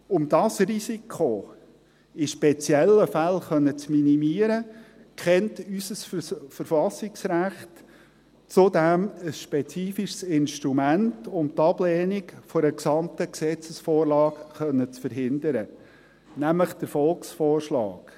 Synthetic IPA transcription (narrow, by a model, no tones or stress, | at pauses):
ʊmd̥ɑsrisikʰo | ɪʃpɛt͡sjɛlːəfælχœnːət͡sminimiəɾə | kχɛntysəsfəɾfɑsɪksɾæχt | t͡sʊdæməsʃpɛt͡siːfiʃsɪnʃtɾumæntʊmt̪ɑb̥lɛːnikfɔɾəksɑmtəksɛt͡səsfɔːɾlɑːkχœnːət͡sfəɾɦɪnd̪əɾə | næmləχd̥əɾfɔlksfɔːrʃlɑ̰ːɡ̥